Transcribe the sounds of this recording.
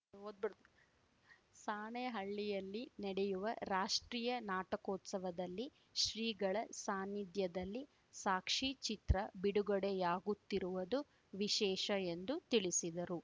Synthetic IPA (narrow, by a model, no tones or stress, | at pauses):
od̪̚b̪ | saːɳeɦɐɭːijɐlːinɛɽejuʋɐɾaːʂʈɾiːjɐnaːʈɐkoːt̪sɐʋɐd̪ɐlːi | ʃɾiːɡɐɭɐsaːnid̪jɐd̪ɐlːi | saːkʂit͡ʃit̪ɾɐbiɽuɡɐɽejaːɡut̪ːiɾuʋɐd̪u | ʋiʃɛːʃɐend̪ut̪iɭisid̪ɐɾu